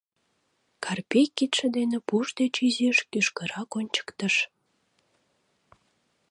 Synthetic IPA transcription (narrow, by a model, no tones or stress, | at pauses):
kʰɑrpejkːit̪ʃə̆d̪enĕpuʒd̪et͡ɕyzeʃkyʃkəɾɑkonʲt͡ɕə̥kt̪əʃ